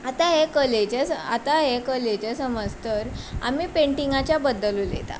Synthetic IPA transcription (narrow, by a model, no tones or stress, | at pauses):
at̪aɦekəled͡ʑesəat̪aɦekəled͡ʑesəməd͡zt̪əɾa̰miːpeɳʈiŋɡat͡ɕjabəd̪ːəluːlḛt̪a̰